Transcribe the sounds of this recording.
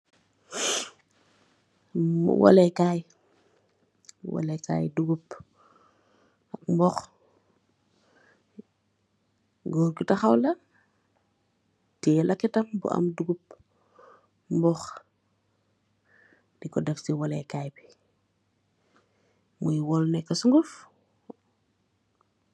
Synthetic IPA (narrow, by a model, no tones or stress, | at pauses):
wʔa̰lɛkaj | wa̰leka̰ːjduɡup | ak̚mbɔx | ɡoːɾɡutaxawlɐ | tilʔakitɐmbṵʔa̰mduɡup̚ | mbɔx | d̥ikɔdɐfsiwalɛkaːjbi | mujwɔlnɛkːasuŋɡuf